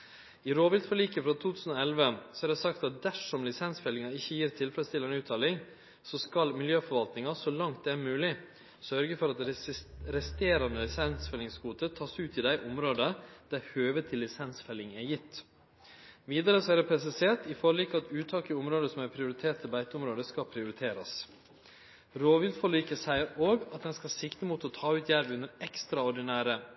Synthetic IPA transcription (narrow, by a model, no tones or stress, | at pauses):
ɪɾoːʋɪlt̪fɔɭiːkəfɾɑt̪ʰuːt̪ʰʉːsn̩oɛlʋəsɔæɾɖ̪ɛsɑkt̪ɑt̪̚d̪æʂɔmlɪsɛnsfɛlɪŋɑɪçːəjiːɾt̪ʰɪlfɾɛst̪ʰɪlɛnʉːt̪ʰːɑːlɪŋ | sɔskɑlmɪljøːfɔɾʋɑlt̪nɪŋɑsɔlɑŋt̪̚d̪ɛæːɾmʉːlɪ | sœɾɡəfɔɾɑt̪ɾɛst̪eːɾɑnəlɪsɛnsfɛlːɪŋskuːt̪ət̪ʰɑːsʉːt̪ɪd̪æɪʔʊmɾoːd̪əd̪̥æɾhøːʋət̪ʰɪlːɪsɛnsfɛlɪŋæjɪt̪ː | ʋiːd̪əɾəsɔæɾɛpʰɾɛs̬ɛseːʈɪfɔɾliːkɑt̪ʰʉːt̪ʰɑːkəʊmɾoːd̪əsɔmæɾpʰɾɪʊɾɪt̪ʰeːʈt̪ʰɛbæɪt̪əʊmɾoːd̪əskɑpʰɾɪʊɾɪt̪ʰeːɾɑs | ɾoːʋʏld̪fɔliːkəsæɪəɾoːɡɑt̪̚d̪ɛnskɑsɪkt̪əmuːt̪ɔt̪ʰɑːʉːt̪ʰjæɾʋʉnːəɾɛkst̪ɾɑɔɖɪnæːɾə